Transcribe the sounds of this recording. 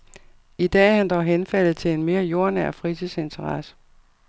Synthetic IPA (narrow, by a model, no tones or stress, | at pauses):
id̥ɛ̰ːhænd̥ɒɦenfæl̰ð̩ˠt͡sʰe̝lenme̝ːɐjo̝ɐnæɐ̰fʁit͡sʰise̝nt͡sʰɐʁɑsə̥